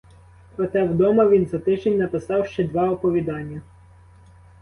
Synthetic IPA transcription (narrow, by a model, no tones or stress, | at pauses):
pɾɔt̪ɛwd̪ɔmɐʋʲinzɐt̪ɪʒenʲnɐpɪsɑwʃt͡ʃɛd̪ʋɑɔpɔʋʲid̪ɑnʲːɐ